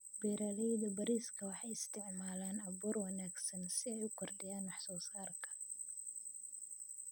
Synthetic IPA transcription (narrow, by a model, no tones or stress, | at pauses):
bɛɾaːlɛjðɐbɐɾiːskʰɐwɑħɑjɪst̪ʰɪʕmaːlaːnɐβɔːrwɐnaːɡsɐnsɪɛjʊkʰɔrdɪjaːnwɑħsɔːsaːrkʰɐ̥